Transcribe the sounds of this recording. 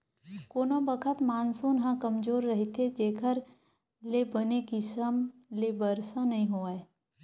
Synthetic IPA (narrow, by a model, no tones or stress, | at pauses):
koːnobəkʰət̪maːnsuːnɦãkɐmd͡ʒoːɾːɐɦit̪ʰed͡ʒeːkʰəɾ | lebənekisəmlebəɾsanɐɦĩɦoːaːe